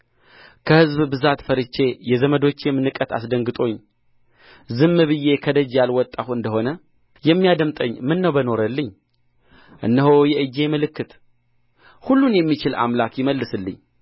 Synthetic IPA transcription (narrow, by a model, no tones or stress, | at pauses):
kʰəhɨzbbɨzat̪fəɾɨt͡ʃːe̞jɛzəməd̪o̞t͡ʃːjɛmːɨnɨkʼət̪a̰sd̪əŋɡɨt̪ʼo̞ɲː | zɨmːɨβɨje̞kʰəd̪əd͡ʒjalwɔt̪ʼːahuɨnd̪əho̞nə | jɛmːijad̪əmt̪ʼəɲːmɨnːəwbəno̞ɾəlːɨɲː | ʔɨ̰nːəɦowjɛʔɨd͡ʒːe̞məlɨkːɨt̪ | hulːunjɛmːit͡ʃɪla̰mlakjɪməlːɨsɨlːɨ̰ɲː